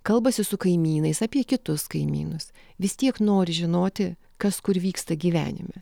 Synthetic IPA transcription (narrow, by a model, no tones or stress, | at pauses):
kɐlˠbɐsʲɪsʊkɐɪmʲiːnɐɪsɑːpʲiɛkʲɪt̪ʊskɐɪmʲḭːnʊs | ʋʲɪst̪ʲiɛknoːɾʲɪʒʲɪnoːt̪ʲɪ | kɐskʊɾʋʲiːkst̪ɐɡʲiːʋʲæ̰ːnʲɪ̰mʲɛ̰